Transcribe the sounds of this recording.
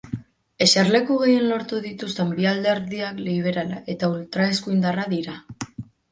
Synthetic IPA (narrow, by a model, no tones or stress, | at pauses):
e̞sarle̞kuɣ̞e̞je̞nlo̞ɾt̪uðit̪ust̪e̞mbiald̪eɾðiakliβ̞e̞ɾalae̞t̪ault̪ɾaeskuind̪araðiɾa